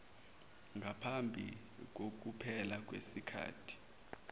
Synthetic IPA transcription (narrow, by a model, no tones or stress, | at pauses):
ŋɡʱapʰambʱḭ | k̬ok̬upʰɛlak̬wḛsikʰa̰ːtʰi̥